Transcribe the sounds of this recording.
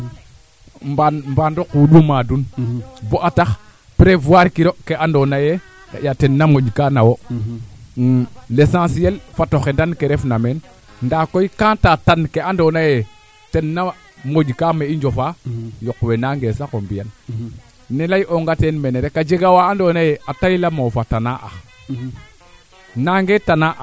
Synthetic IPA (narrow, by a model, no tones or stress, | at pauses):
mbanmbandokuɗumadunboʔatax | pɾevuaɾkiɾokeʔandonaje | ka̰jatenːamoɟkanawo | lesãsielfatoxendankeɾefnamen | ndakoikãːtatankeandonaje | tenːa | mod͡ʒkameiɲd͡ʒofajokwenaŋɡesakombijanː | elajʔoŋɡatenmeneɾekad͡ʒeɡawaːndonajeatajlamofatanaʔa̰ | naŋɡetanaʔ